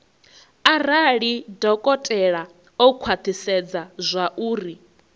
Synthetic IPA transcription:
aɾaɺidɔkʼɔtʼɛɺa | ɔkʰwat̪ʰisɛd͡zazʷaʔuːri

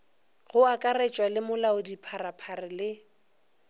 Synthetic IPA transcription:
ɣʊakʼarɛt͡ʃʼwalɪmʊlaʊdipʰarapʰarɪlɪ

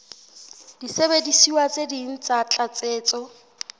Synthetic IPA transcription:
d̥isebedisiwat͡sʼedin̩t͡sʼat͡ɬʼat͡sʼeːt͡sʼɔ

